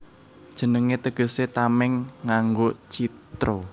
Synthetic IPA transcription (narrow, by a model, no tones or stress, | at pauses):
d̥ʒ̥ə̤nəŋet̪əɡ̥ə̤set̪amɛŋːaŋɡot͡ʃit̪ɾo